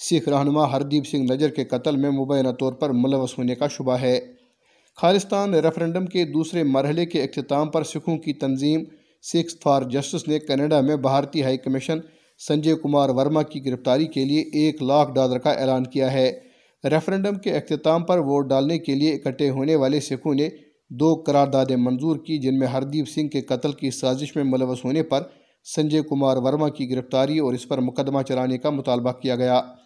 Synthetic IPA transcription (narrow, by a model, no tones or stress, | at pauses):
sɪkʰɾaːɦnʊmaɦɐɾd̪iːbsɪ̃ŋɡnɐd͡ʒəɾkekɐt̪əlmẽmʊbəːjənat̪ɔːɾpɐɾmʊləʋːəsɦoːnekaʃʊbaɦɛː | kʰaːlɪst̪aːnɾɛfʰɾɛ̃ɳɖəmked̪uːsɾemɐɾɦəlekeɪxt̪ɪt̪aːmpɐɾsɪkʰõkit̪ɐnziːm | sɪkspʰaːɾd͡ʒɐsʈɪsnekɛːneːɖamẽbʱaːɾt̪iɦaːikɐmɪʃən | sɐ̃ɲd͡ʒeːkʊmaːɾʋɐɾmakiɡɪɾɪft̪aːɾikelieʔeːklaːkʰɖaːləɾkaʔɛ̰ːlaːnkijaɦɛː | ɾɛfʰɾɛ̃ːɳɖəmkeɪxt̪ɪt̪aːmpɐɾʋoːʈ̚ɖaːlnekelieɪkəʈːeɦoːneʋaːlesɪkʰõne | d̪oːkɐɾaːɾd̪aːd̪ẽmɐ̃nzuːɾkid͡ʒɪnmẽɦɐɾd̪iːbsɪ̃ŋɡ̚kekɐt̪əlkisaːzɪʃmẽmʊləʋəsɦoːnepɐɾ | sɐ̃ɲd͡ʒəːkʊmaːɾʋɐɾmakiɡɪɾɪft̪aːɾiɔːɾɪspɐɾmʊkəd̪ːmat͡ʃɐɾaːnekamʊt̪aːlbakijaɡɐjaː